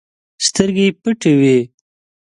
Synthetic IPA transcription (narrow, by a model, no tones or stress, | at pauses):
st̪əɾɡepəʈewi